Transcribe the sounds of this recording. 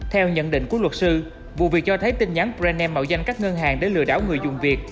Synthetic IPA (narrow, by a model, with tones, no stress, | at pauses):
t̪ʰɛ˧wɲə̰˧˨nɗḭ˧˨ŋ̟ku˧˩əlwə˨˩t̚sɨ˧ | vṵ˨˩vi˨˩ək̚t͡ɕɔ˧t̪ʰə˨˦jt̪ï˧ŋ̟ɲa˨˦npzɛ˧nɛ˧mːə̰˧˨wza˧jŋ̟kaː˦˥k̚ŋəː˧nɦaː˨˩ŋɗe˨˦jlɨ̰˧˨əɗa̰ː˧˥wŋɨ˨˩əjzʊ˨˩ŋ͡mvi˨˩ək̚